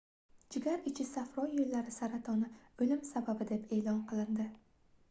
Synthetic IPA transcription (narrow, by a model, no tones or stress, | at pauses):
d͡ʒɪɡʲaɾɪt͡ʃʰɪsafɾɒjːolːaɾɪsaɾat̪ʰɒnɪɵlɪmsababɪd̪e̞pʰe̞ːlɒnqɨlˠɪnd̪ɪ